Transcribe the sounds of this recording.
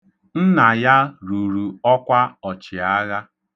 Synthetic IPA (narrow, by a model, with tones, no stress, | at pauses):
n̩˦na˨ja˦ɾu˨ɾu˨ɔ˦kʷa˦ɔ˨t͡ʃɪ˨a˦ɣa˦